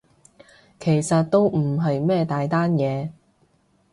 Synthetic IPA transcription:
kʰe˨˩jsɐ˨t̚t̪o˥wm̩˨˩ɦɐ˨jmɛː˥˧t̪aː˨jt̪aː˥njɛː˨˧

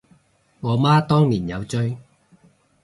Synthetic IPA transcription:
ŋɔː˨˧maː˥t̪ɔː˥ŋliː˨˩njɐ˨˧wt͡ʃɵ˥ɥ

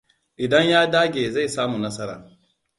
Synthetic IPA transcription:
ʔɪ˨dɐ˦ɲjaː˦daː˦ɡʲeː˨za˦˨saː˦mu˨nɐ˦sɐ˦ɾa̰ː˨

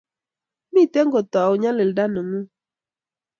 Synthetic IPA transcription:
mi˦˨te˦ŋɡo˨tɔ˨a˨u˨ɲa˦lɪ˨lda˦nə˨ŋu˦

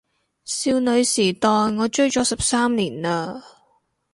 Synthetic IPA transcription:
siː˧wnɵ˨˧ɥsiː˨˩t̪ɔː˨jŋɔː˨˧t͡ʃɵ˥ɥt͡ʃɔː˨˥sɐ˨p̚saː˥mliː˨˩naː˧

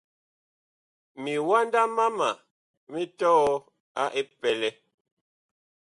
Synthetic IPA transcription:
mi˨wa˦nda˦ma˦ma˨ | me˦tɔ˦ | a̰˦ʔe˦pɛ˨lɛ˨

